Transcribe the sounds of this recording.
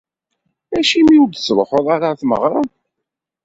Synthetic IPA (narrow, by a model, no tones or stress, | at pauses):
æʃimiud̪slˤħoðˤaɾˤaθmə̰ʁɾˤɑn